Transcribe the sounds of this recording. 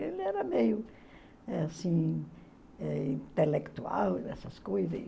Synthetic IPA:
elɛɾɐmejʊ | asĩ | ɛĩnt̪elekt̪ua̰ld̪ɛsɐskuiðe

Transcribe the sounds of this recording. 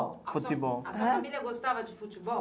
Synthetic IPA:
fut̪ibɔlaafaamilijaɡost̪avad͡ʒifutibɔ

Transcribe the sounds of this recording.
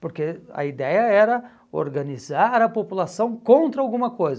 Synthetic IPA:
poɾkeɐ̰id̪ɛjɐɛɾɐ | o̰ɾɡɐnizaɾɐpopulasɐ̃w̃kõnt̪ɾɐawɡũmɐkojz

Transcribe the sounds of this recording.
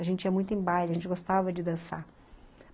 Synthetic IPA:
aʒẽnt͡ʃɪiɐmũj̃t̪ʊẽbajlɪɐʒẽt͡ʃɪɡost̪avɐd͡ʒɪd̪ɐ̃sa

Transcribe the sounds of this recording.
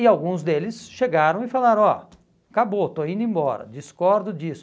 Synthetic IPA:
ɪawɡũzd̪elɪsʃeɡaɾɐ̃w̃ɪfalaɾɐ̃w̃ɔ̰ | kabot̪oaĩnd̪ʊẽmbɔɾɐ̰d͡ʒiskɔɾd̪ʊd͡ʒisʊ

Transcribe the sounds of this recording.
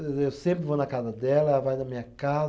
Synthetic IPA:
ewsẽmpɾɪvonɐkazɐd̪ɛlɐɛlɐvajnɐmĩɲɐkaz

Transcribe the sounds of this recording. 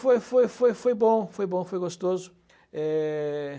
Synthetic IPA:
fojfojfojfojbõfojbõfojɡost̪ozʊ | ɛ

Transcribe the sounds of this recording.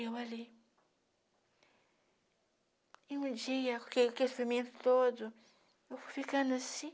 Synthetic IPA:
ewali | ẽũd͡ʒiɐkkekesfimẽnt̪ʊ̥t̪od̪ʊ | ewfujfikɐ̃nd̪asĩ

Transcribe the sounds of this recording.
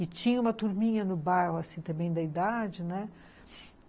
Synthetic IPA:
ɪt͡ʃĩɲɐũmɐt̪uɾmĩɲɐnʊbajhʊasĩt̪ɐ̃mbẽj̃d̪ɐid̪ad͡ʒɪnɛ

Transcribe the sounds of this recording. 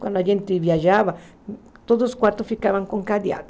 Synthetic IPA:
kwʷa̰nd̪oaʝent̪eβjaʒaβa | t̪oðoskwaɾt̪ofikaβaŋkoŋkad̪ja̰t̪o̥

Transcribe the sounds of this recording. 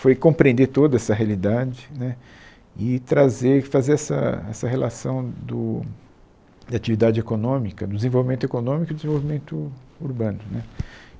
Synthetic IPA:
fojkõpɾẽnd̪eɾt̪od̪ɐɛsɐɦealid̪ad͡ʒɪnɛ | ɪt̪ɾazeɾfazeɾɛsɐ̰ɛ̰sɐhelasɐ̃w̃d̪ʊ | d̪ɐat͡ʃivid̪ad͡ʒɪekonõmikɐd̪ʊd̪ɪzẽvowvimẽnt̪ekonõmikʊdɪzẽvowvimẽnt̪ʊuɾbɐ̃nʊnɛ

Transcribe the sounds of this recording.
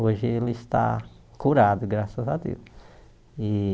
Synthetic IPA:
oʒɪelɪɪst̪a̰ | kuɾad̪ʊɡɾasɐzad̪ḛws | ɪ

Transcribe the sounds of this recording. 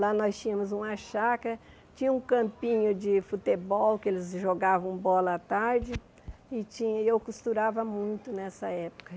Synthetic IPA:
lanɔst͡ʃĩɲɐ̃mʊzũmɐʃakɐ | t͡ʃĩɲɐũkɐ̃mpĩɲʊd͡ʒɪfut̪ebɔwkɪelɪzʒoɡavɐ̃w̃bɔlɐat̪aɾd͡ʒɪ | ɪt͡ʃĩɲɐɪewkust̪uɾavɐmũj̃t̪ʊnɛsɐɛpʊ̥kɐ

